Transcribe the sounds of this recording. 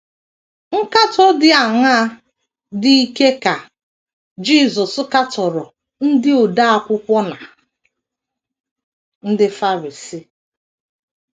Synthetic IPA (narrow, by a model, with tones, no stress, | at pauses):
ŋ̩˦ka˦tɔ˦dɪ˦a˨ŋa˦ | di˦i˦ke˦ka˨ | d͡ʒi˦˨zɔ˨ska˦tɔ˨ɾɔ˨ | n̩˦dɪ˦o˨da˦a˦kʷʊ˦kʷɔ˦na˨ | n̩˦dɪ˦fa˦ɾi˨si˦